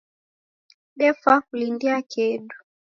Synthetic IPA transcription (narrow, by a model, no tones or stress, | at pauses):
ɗɛfahulindiakʰɛɗu̥